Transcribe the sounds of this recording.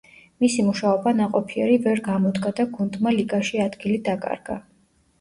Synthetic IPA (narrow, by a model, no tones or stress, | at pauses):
misimuʃaɔbanaqʼɔpʰiɛɾivɛɾɡamɔd̪ɡad̪aɡund̪maliɡaʃiad̪ɡilid̪akʼa̰ɾɡ̥a̰